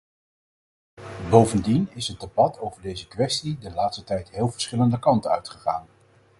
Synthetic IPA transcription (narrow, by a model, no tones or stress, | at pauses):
bowvəndinɪsɦəd̚debɑtʰowvəɹdejzəkʋɛstidəlaːtstətɛjtɦɪːlˠvəɹsχɪləndəkɑntəœ̰ɥtχəχaːn